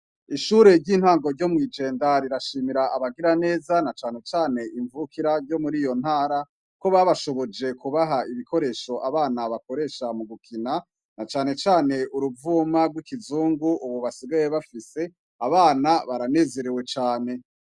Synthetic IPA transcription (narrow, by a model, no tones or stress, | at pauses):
iʃuːɾe̞ɾɟiːnhaːŋɡo̞ɾɟo̞mŋiːd͡ʒe̞ːndaɾiɾaʃiːmiɾaʔaβaɡiɾane̞ːzanat͡ʃaːne̞t͡ʃaːne̞ʔiɱvukʰiɾaɾɟo̞muɾiːjo̞n̥haːɾa | ko̞βaβaʃo̞βo̞d͡ʒe̞kuβaɦaiβiko̞ɾe̞ːʃo̞ʔaβaːnaβako̞ɾe̞ːʃamuɡukʰina | nat͡ʃaːne̞t͡ʃaːne̞ʔuɾuvuːmaɡwikizuːŋɡuʔuβuβasiɡaje̞βafise̞ | aβaːnaβaɾane̞ːze̞ɾiwe̞t͡ʃaːne̞